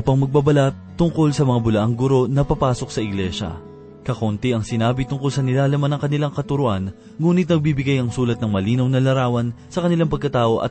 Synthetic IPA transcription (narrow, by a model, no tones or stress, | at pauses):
pɐŋmɐɡ̚babɐlat̪ːʊŋko̞lsɐmɐŋabʊlɐʔaŋɡʊɾo̞nɐpɐpaːso̞k̚sɐɪɡlɛʃɐ̰ | kɐkont̪ɪʔɐŋsɪnaːbɪt̪ʊŋkolsɐnɪlaːlɐmanɐŋkɐnɪlaŋkɐt̪ʊɾʊʔan | ŋuːnɪt̪̚nɐɡ̚bibɪɡajɐŋsuːlɐt̪̚nɐŋmɐliːnɐwnɐlɐɾaːwɐnsɐkɐnɪlaŋpɐɡ̚kɐt̪aːʔo̞ʔɐ̰t̪